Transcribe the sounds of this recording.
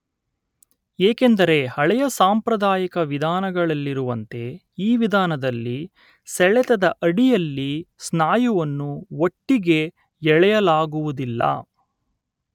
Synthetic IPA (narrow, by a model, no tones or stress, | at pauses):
eːkend̪ɐɾe̞hɐɭɛjɐsaːmpɾɐd̪aːjɐkɐʋid̪ʱaːnɐɡɐɭɐlːiɾuʋɐnt̪e̞ | iːʋid̪ʱaːnɐd̪ɐlːi | sɛɭɛt̪ɐd̪ɐʔɐɽijɐlːisnaːjuʋɐnːuoʈːiɡe̞ | ɛɭɛjɐlaːɡuʋud̪ilːɐ̰ː